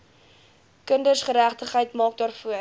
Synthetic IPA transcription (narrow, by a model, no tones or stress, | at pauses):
kəndərsχəɾæχtəχəjtmɑːk̚dɑːrfuə